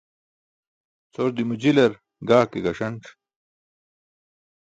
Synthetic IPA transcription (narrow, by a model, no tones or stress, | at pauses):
t͡soɾd̪imud͡ʑilɐɾ | ɡaːkeɡɐʂɐnʈ͡ʂ